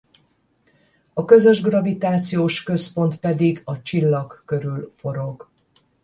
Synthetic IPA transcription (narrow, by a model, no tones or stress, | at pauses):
ɒkø̞zø̞ʒɡrɒvit̪aːt̪sijoːʃkø̞spo̞nt̪pɛd̪iɡɒt͡ʃilːɒɡːø̞ɾylfo̞ɾo̞ɡ